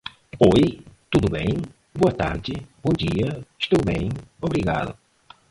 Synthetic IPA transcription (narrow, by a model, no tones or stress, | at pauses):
ojt̪ud̪ʊbḛ̃j̃ | boɐt̪a̰ɾd͡ʒɪbõd͡ʒiɐɪʃt̪owbẽj̃obɾiɣa̰ðʊ̰